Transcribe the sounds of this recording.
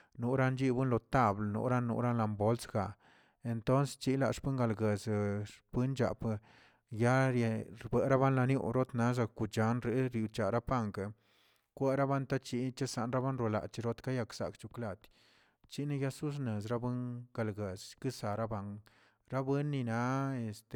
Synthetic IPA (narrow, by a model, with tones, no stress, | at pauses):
nu˨˦ɾa˧nd͡ʒi˦bɨ˦nlo˨t̪a˧˨blnṵ˧˦ɾa˦nːṵ˧˦ɾa˦nla˧mbo˦lsɡa˨ | e˨nt̪o˦nst͡ʃi˦la˧ʂpɨ˦ŋɡa˧lɡe˨zʂb̥ɨ˦nd͡ʒa̰˨p | ja˦ɾjɾbe˨ʔɾa˦ba˦nla˧njṵ˧ɾo˦t̪na˦za˧ku˨t͡ʃa˨˦nɾe˧˦ɾji˨wt͡ʃa˨ɾa˦pa˦ŋk | kʷe˦ɾa˦ba˦nt̪a˦t͡ʃi˧˦t͡ʃa˦sa˧nɾa˦ba˦nɾo˧la̰˨t͡ʃi˧ɾo˦t̪ka˦ja˧ksa̰˨kt͡ʃu˨kla˧˨t̪ | t͡ʃi˦na˦ja˦su˦s̬ne˨z̬ɾa˦bɨ˦ŋɡ̥a˧lɡe˨zkɨ˦sa˨ɾa˦ba˧ŋ | ɾa˦be˦nːi˧na˧˦e˧st̪